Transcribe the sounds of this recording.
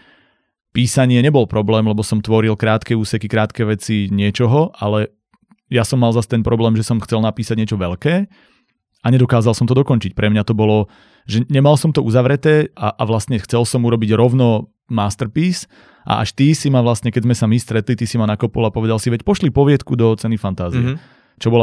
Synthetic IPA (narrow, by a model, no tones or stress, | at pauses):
piːsaɲɪɛɲɛbɔlpɾɔblɛːmlɛbɔsɔmt̪ʋɔɾilkɾaːt̪kɛuːsɛkikɾaːt̪kɛʋɛt͡siɲɪɛt͡ʃɔɦɔʔalɛ | jasɔmːalzast̪ɛnpɾɔblɛːmʒɛsɔmxt͡sɛlnapiːsaɟɲɪɛt͡ʃɔʋɛʎkɛː | aɲɛd̪ɔkaːzalˠsɔmt̪ɔd̪ɔkɔnt͡ʃic̚pɾɛmɲat̪ɔbɔlɔ | ʒɛɲɛmalsɔmt̪ɔuzaʋɾɛt̪ɛːaʔaʋlast̪ɲɛxt͡sɛlsɔmuɾɔbiɟɾɔʊnɔ | maːst̪ɛɾpiːs | ʔa̰ʔa̰ʃt̪isimaʋlast̪ɲɛkɛzmɛsamist̪ɾɛt̪lit̪isimanakɔpɔlapɔʋɛd̪alsiʋɛcpɔʃlipɔʋɪɛt̪kud̪ɔt͡sɛnifant̪aːziɛ | t͡ʃɔbɔla